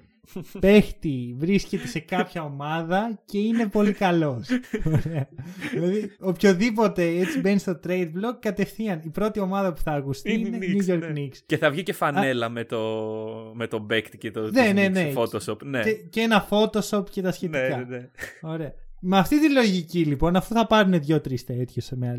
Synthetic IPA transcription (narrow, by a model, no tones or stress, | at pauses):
pe̞xt̪ivɾisce̞t̪ese̞kɐpçɐo̞mɐðɐce̞ine̞po̞likɐlo̞soɾeɐðilɐðiopço̞ðip̬o̞t̪e̞et͡sibe̞nist̪o̞t̪ɾe̞jd̪̚blo̞kːɐt̪e̞fθiɐnipɾo̞t̪io̞mɐðɐpu̥θɐːkust̪iinennjuʝo̞ɾkniksceθɐvʝicefɐne̞lɐmet̪omet̪obekt̪cet̪onenenefot̪osopneeceenɐfo̞t̪o̞so̞pce̞t̪ɐsçet̪ikɐo̞ɾe̞ɐmeɐft̪it̪ilo̞ʝicilipo̞nɐfuθɐpɐɾune̞ðʝo̞t̪ɾist̪et̪çesmeɐl